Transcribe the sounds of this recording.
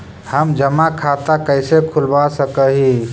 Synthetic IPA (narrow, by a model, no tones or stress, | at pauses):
həmd͡ʒəmakʰat̪akəɪsekʰulbasəkəɦi